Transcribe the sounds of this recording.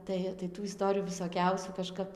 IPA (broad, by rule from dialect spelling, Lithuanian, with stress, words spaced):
ˈtɐɪ tɐɪ ˈtuː ɪˈstoːrʲɪjuː ʋʲɪsoːˈkʲɛʊsʲuː kɐˈʃkɐp